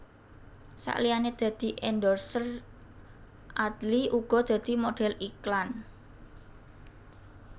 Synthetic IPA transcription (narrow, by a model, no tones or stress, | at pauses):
sa̰ʔlijaned̪̥ä̤d̪̥i̤ʔɛndɔrsər | ʔad̪liʔuɡ̥ɔ̤d̪̥ä̤d̪̥i̤moɖ̥ɛ̤liklan